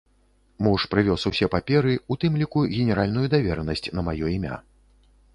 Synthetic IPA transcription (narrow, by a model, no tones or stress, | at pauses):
muʂpɾɨvʲɔsuwsʲɛpapʲɛɾɨut̪ɨmlʲikuɣʲɛnʲɛɾalʲnujud̪avʲɛɾɛnɐsʲt͡sʲnɐmajɔimʲa̰